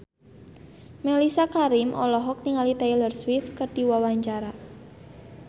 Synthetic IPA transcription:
melisakaɾimʔɔ̰lɔɦɔk̚niŋalit̪ailərswɪθkəɖ̥i̤wawaɲt͡ʃaɾa

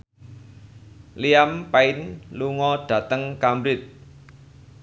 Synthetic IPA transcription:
liampaɪnluŋɔɖ̥ä̤t̪əŋkambɾɪt̪̚

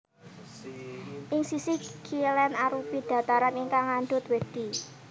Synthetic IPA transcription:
ʔɪŋsisikʰilɛnaɾupid̪̥ä̤t̪aɾaniŋkaŋand̪ʊt̪wed̪̥i̤

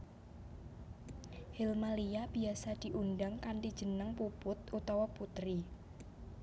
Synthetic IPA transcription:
hilmaliab̥iasad̪̥i̤ʔundaŋkanʈid̥ʒ̥ə̤nəŋpupʊt̪̚ut̪awaput̪ɾi

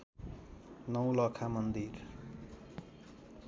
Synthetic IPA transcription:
nʌw̃lʌkʰamʌnd̪ir

